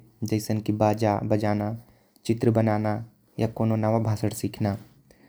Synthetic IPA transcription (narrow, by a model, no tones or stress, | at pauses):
d͡ʒɐɪsənkibaːd͡ʒaːbɐd͡ʒaːna | t͡ʃɪt̪ɾəbənaːna | jakoːnonaʋabʱaːsəɽsiːkʰnaː